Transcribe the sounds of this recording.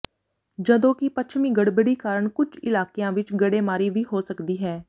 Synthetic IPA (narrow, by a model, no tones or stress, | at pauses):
d͡ʒəd̪õːkɪpətːt͡ʃʰmĩːɡəɽbəɽiːkaːɾəɳkʊd͡ʒɪlaːkejãːʋɪt͡ʃɡəɽeːmaːɾiːʋiːɦoːsəkd̪iːɦɛː